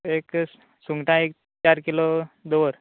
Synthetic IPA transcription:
ek | suŋɡʈãek̚ | t͡ɕaɾkilod̪oʋəɾ

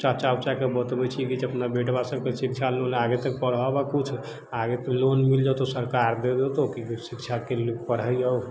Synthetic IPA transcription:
t͡ʃat͡ʃabt͡ʃakebət̪bɛt͡ʃʰikid͡ʒəpnabeʈbasəkkesikt͡ʃʰaloleaɡet̪ək̚pəɽɦɔbakut͡ʃʰ | aɡet̪əklonmild͡ʒat̪osəɾkaɾd̪ed̪et̪ookisikt͡ʃʰakelpəɾɦəjə

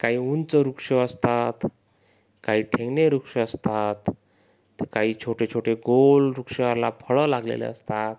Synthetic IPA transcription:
kaɦiːunt͡səɾukʂəəst̪at̪ | kaɦiːʈʰẽŋɡneɾukʂəəst̪at̪ː | ekaɦiːt͡ɕʰoʈet͡ɕʰoʈeɡolɾukʂeʋaɾlapʰəɭəlaɡlḛlḛəst̪at̪

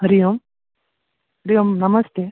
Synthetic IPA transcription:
ɦɐɾijom | ɦɐɾijomnɐmɐst̪e

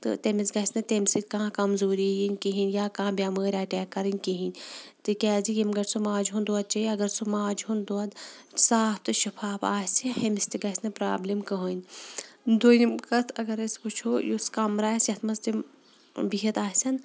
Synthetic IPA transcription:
t̪ɨ̰t̪emisɡɐsnɐt̪emsit̪ʲkãːkɐmzuːɾijinʲkiɦinʲjaːkãːbʲjaːməːɾʲaːʈʲɛːkːɐɾɨnʲkiɦinʲt̪ɨkʲɛːzijimɡɐɾʲsumaːd͡ʒɦund̪oɐd̪̚t͡ʃɐiɐɡɐɾsumaːd͡ʒɦund̪oɐd̪saːft̪ɨʃɐfaːpa̰ːsihɐmist̪iɡɐsʲnɐpɾaːblimkɐɦonʲ | d̪oːjimkɐt̪ʰɐɡɐɾɐskut͡ʃʰoːjuskɐmɾaːsʲɐt̪ʰmɐzt̪im | biɦɐt̪aːsʲɐn

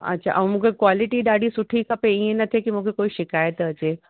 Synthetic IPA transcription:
ɐ̰tːɕʰa̰ʔɐ̃mũːkʰekwaːlɪʈiɗaːɽisʊʈʰikɐpeiẽnɐt̪ʰekimũːkʰekoːiʃɪkaːjət̪ɐt͡ɕe

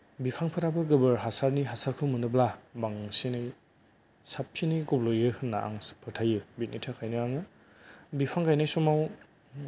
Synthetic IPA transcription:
bipʰaŋpʰɯɾabɯɡɯbɯɾɦasaɾniɦasaɾkʰɯmɯnɯblabaŋsinɯj | sapʰːinɯjɡɔblojɯhɯnːa̰ʔa̰ŋspʰɯtʰajɯbit̚nitʰakʰajnɯaŋɯ | bipʰaŋkʰajnajsɔmaw

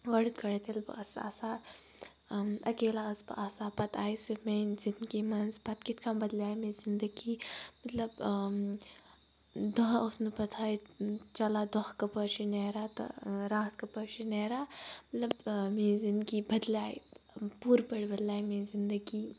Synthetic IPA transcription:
ʋɐɽit̪̚kʰɐɽet̪elbɐsa̰ːsa | ɐkeːlaɐsbɐʔasapɐt̪ʰaːisimẽzinkimɐnspɐt̪kit̪kʰambɐd̪laːjmezɪnd̪əɡiːmɐt̪lɐb | d̪ɔɦosnɨpɐt̪ʰaːit͡ʃɐlad̪ɔhkɐpɐɾʃineːɾat̪ɐ̰ɾaːɦt̪kɐpɐɾʃineːɾamɐt̪lɐbmezind̪ɡibɐd̪laːipuːɾbɐɽbɐd̪laːjmẽzɪnd̪əɡi

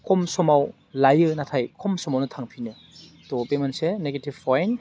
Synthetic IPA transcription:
kʰɔmsɔmaw | lajɯnatʰajkʰɔmsɔmawnɯtʰaŋpʰinɯ | t̪ɔpemanseneɡetivfʰajn

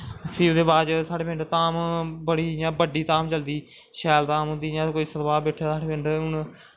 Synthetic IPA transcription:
pʰiːd̪eːbaːd͡ʒsaːɖeːpɪ̃ɳɖt̪aːmbəɽiːjãːbəɖiːt̪ãːmt͡ʃəld̪iː | ʃɛːlt̪ãːmɦʊ̃nd̪iːjãːkoːiːsəɾbaːbɛːʈʰːjaːsaːɽeːpɪ̃ɳɖʊɳ

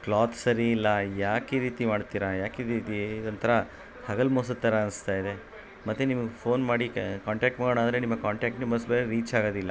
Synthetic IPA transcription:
klaːt̪sɐɾiːlːɐjaːkiːɾiːt̪imaːɽt̪iːɾajaːkid̪id̪id̪ɐnt̪ɐɾɐ | hɐɡɐlmoːsɐt̪ːɐɾɐɐnst̪aːjid̪e | mɐt̪ːenimɐɡepʰoːnmaːɽikaːɳʈaːk̚ʈmaːɡoːnaːnd̪ɾenimːɐkaːɳʈaːk̚ʈnemɐsbeeɾiːt͡ʃaːɡoːd̪ilːɐ

